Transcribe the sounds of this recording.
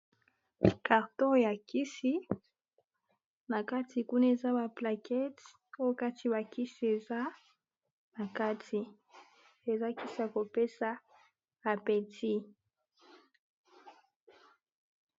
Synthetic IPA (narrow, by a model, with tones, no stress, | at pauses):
ka˨ʁtɔ˦ʁja˨ki˦si˨˦ | na˨ka˦ti˨ku˦na˦e˨za˦ba˨pla˨kʰɛ˦t | o˦jo˦ka˦ti˨βa˨ki˦si˨e˨za˦ | na˨ka˦tʰi˨ | e˨za˦ki˦si˦ja˨ko˨pe˦saː˨ | pɛ˨ti˦